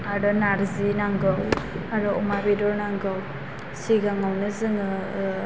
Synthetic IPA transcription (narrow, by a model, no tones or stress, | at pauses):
aɾɔnaɾzinaŋɡaw | aɾɔɔmabedɔɾnaŋɡaw | siɡaŋawnɯzɯŋɯ